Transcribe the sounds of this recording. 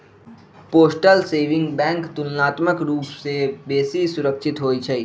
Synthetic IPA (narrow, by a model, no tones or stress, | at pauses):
poːsʈəlseːʋɪ̃ŋɡbɛ̃ːŋkt̪ʊnːaːt̪məkɾuːpsebeːsisʊɾəkʃɪt̪ɦoːit͡ʃʰɐiː